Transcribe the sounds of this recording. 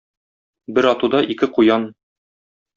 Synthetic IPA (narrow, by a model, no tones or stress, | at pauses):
bɘɾɒt̪ud̪ɑʔikɘqujɑn